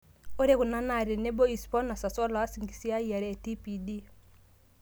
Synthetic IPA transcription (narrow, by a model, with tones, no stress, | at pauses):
o˦ɾe˦ɣʊ˨na˦na˨ɾe˨ne˦bo˦i˨spɔ˦na˨sa˨sɔ˦la˨a˦si˨ŋɡi˨si˦a˦i˦a˨ɾɛ˨ti˦pi˨di˦